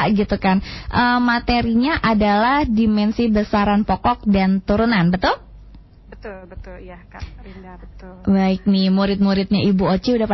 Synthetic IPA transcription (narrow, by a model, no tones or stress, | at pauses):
ɡit̪ukanʔəmat̪eɾiɲaʔadalahdimɛnsibəsaɾanpɔkɔk̚dant̪uɾunanbət̪ʊl | baɪk̚nɪhmuɾɪt̪̚muɾɪt̪̚ɲaibuot͡ʃiudahpa